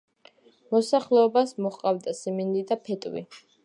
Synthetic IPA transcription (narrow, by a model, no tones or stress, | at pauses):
mɔsaχlɛɔbasmɔχqʼavd̪asɛmɛnd̪id̪apʰɛt̪ʼwḭ